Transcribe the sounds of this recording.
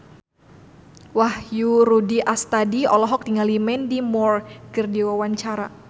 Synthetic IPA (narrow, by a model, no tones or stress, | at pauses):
wahjurudiʔast̪adiɔlɔɦɔk̚diŋalimɛndimɔrkərdiwawaɲt͡ʃaɾa